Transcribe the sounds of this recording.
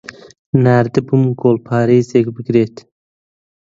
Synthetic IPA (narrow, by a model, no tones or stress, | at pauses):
næːɾd̪ɪbumɡoːlpʰɑːɾiːzeɡbiɡɾeːt̪